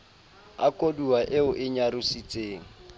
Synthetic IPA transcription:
akʼoduwaʔɪʊʔɪɲaɾʊsit͡sʼeːŋ̩

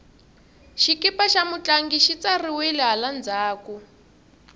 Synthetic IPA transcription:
ʃikipaʃamut͡ɬaŋɡiʃit͡sariwilɛɦaland͡zaːku

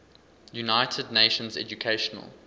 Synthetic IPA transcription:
junaɪtʰədneɪʃə̃nzɛ̰d͡ʒukʰeɪʃənə̰lˠ

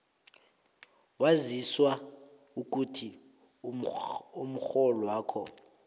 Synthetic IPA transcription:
waziswa | uk̬utʰi | um̩xɔlɔwaːkʰɔ

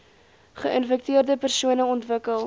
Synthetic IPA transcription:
χəʔənfɛk̚tiərdəpərsuənəɔntvəkəlˠ

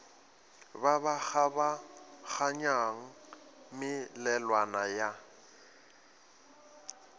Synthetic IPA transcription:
babak͡xabak͡xaɲaŋ̩ | mɪlɛlwanaja

